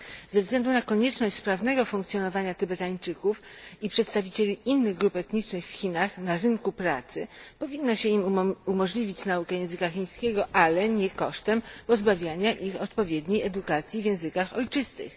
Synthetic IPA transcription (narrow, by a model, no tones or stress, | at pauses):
zɛvzɡlɛnd̪unakɔɲɛt͡ʂnɔɕt͡ɕspɾavn̪ɛɡɔfuŋkt̪sʲjɔnɔvaɲat̪ɘbɛt̪aɲt͡ʂɘkufipʂɛt̪st̪avʲit͡ɕelʲiʔinːɘɣɡɾupɛt̪ɲit͡ʂnɘxfxʲinaxnaɾɘŋkupɾat̪sɘpɔvʲinːɔɕɛimumɔʐlʲivʲit͡ɕnaukɛjɛ̃w̃zɘkaxʲij̃skʲɛɡɔʔalɛɲɛkɔʂt̪ɛmpɔzbavʲjaɲaʔixɔt̪pɔvʲjɛd̪ɲejɛd̪ukat̪sʲjivʲjɛ̃w̃zɘkaxɔjt͡ʂɘst̪ɘ̰x